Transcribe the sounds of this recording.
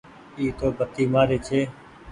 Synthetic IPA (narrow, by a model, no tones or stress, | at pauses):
iːt̪oːbət̪iːmaːɾeːt͡ʃʰeː